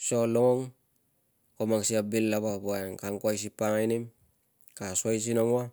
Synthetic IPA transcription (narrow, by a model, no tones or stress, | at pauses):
soloŋoŋ | komaŋsiabilːaβabuankaŋkuajs̬ipaŋajnim | kasajs̬inoŋwa